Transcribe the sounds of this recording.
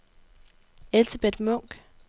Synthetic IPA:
e̝lsəb̥ed̥mɔ̽ŋ̰ɡ̥

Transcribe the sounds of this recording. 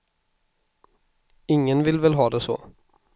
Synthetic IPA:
ɪŋːənvɪlvɛlɦɑːd̪ɛsɔ̰ː

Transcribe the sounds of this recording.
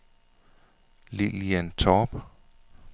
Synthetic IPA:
liliænt͡sʰɔːb̥

